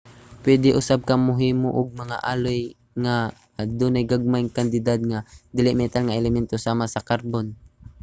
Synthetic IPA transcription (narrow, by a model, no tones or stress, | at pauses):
pwɛd̪ɪʔʊsab̚kɐŋmʊɦiːmoʔʊɡ̚mɐŋa̰ʔaːloj | ŋa | d̪uːnajɡaɡ̚majŋkand̪ɪd̪ad̪̚ŋad̪ɪlɪʔmɛt̪alŋaʔɛlɛmɛnt̪osaːmasɐkaɾbon